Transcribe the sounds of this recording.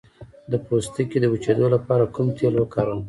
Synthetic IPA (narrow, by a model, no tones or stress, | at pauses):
d̪əpost̪əjked̪əwut͡ʃed̪olapɑɾakʊmt̪ʰjelwəkɑɾəm